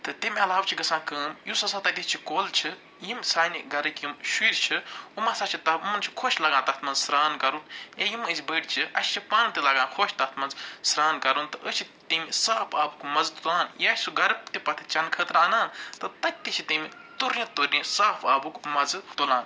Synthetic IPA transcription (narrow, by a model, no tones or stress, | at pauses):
t̪ɨt̪imʲɐlaːwt͡ʃʰiɡɐsãːkəːmjusɐsaːt̪ɐt̪ʲit͡ʃʰikoːlt͡ʃʰi | jimsaːniɡɐɾɐkjimʃiːɾt͡ʃʰiumɐːsaːt͡ʃʰit̪ɐumɐnt͡ʃʰi̥kʰoːʃʲlɐɡãːt̪ɐt̪ʰmɐnzsɾaːnkɐɾunjejiməsʲbəːɽʲt͡ʃʰiɐ̰sʲt͡ʃʰipaːnt̪ilɐɡãːnkʰoːʃt̪ɐt̪ʰmɐnzsɾaːnkɐɾunt̪ɨʔət͡ʃʰit̪imisaːpʰaːbukmɐzt̪ulaːnjiɐsʲsuɡɐɾt̪ipɐt̪ʰi̥t͡ʃɐnkʰəːt̪ɾaːnaːnt̪ɨt̪ɐk̚ʲt̪it͡ʃʰit̪imit̪uɾĩt̪uɾĩsaːpʰaːbukmɐzt̪ulãːn